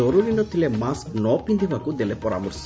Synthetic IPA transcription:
ɔɾuɾinɔt̪ilemasknɔpind̪iʋakud̪elepɔɾa̰ːmɔɾs

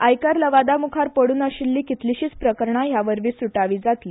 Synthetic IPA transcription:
ajkaɾləʋad̪amukʰaɾpəɽuːnaɕilːiːkit̪liɕiːt͡spɾəkəɾɳaɦjaʋəɾʋisuʈaʋiːd͡zat̪li

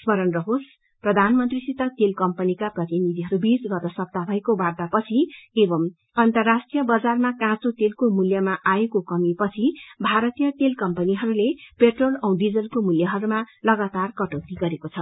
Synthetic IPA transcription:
smʌɾʌnrʌɦos | prʌd̪ʱanmʌnt̪risit̪ʌt̪elkʌmpʌnikaprʌt̪inid̪ʱiɦʌɾubisɡʌt̪ʌsʌb̚t̪abʱʌekobard̪apʌt͡sʰiebʌm | ʌnt̪ʌrːasʈijʌbʌd͡zarmakãt͡sot̪elkomuljʌmaʔaekokʌmipʌt͡sʰibʱaɾʌt̪ijʌt̪elkʌmpʌniɦʌɾulepeʈrolʌ̃w̃ɖid͡zʌlkomuljʌɦʌɾumalʌɡat̪arkʌʈʌwt̪iɡʌɾekot͡sʰʌ

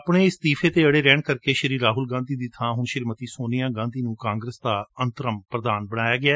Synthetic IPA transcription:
əpɽeːɪst̪iːpʰeːt̪eːəɽeːɾɛːɳkəɾkeːʃəɾiːɾːaːɦʊlɡãːnd̪iːd̪ɪt̪ʰːãːɦʊɳʃɪɾmət̪iːsoːnɪjãːɡãːnd̪iːnũːkãːŋɡɾəsd̪aːənt̪əɾəmpɾəd̪aːnbəɽ̃aːjaːɡɪaː

